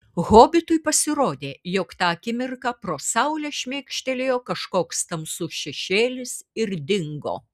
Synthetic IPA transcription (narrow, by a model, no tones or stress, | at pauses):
ɣoːbʲɪt̪ʊjpɐsʲɪɾoːd̪ʲeːjoːkt̪ɑːɐkʲɪmʲɪɾkɑpɾoːsɐʊlʲɛʃʲmʲeːkʃʲt̪ʲɛlʲejoːkɐʃkoːkst̪ɐmsʊʃʲɛʃʲeːlʲɪsɪɾd̪ʲɪŋɡo̰ː